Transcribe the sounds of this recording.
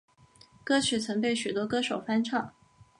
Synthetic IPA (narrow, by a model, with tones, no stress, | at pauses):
kɤ˥t͡ɕ̩ʰ˨˥˩t͡sʰɤ˧˥ŋpe˥˩ɪɕy˨˩t̪wɔ˥kɤ˥ʂo˨˩ʊfa˥nʈ͡ʂʰɑ˥˩ŋ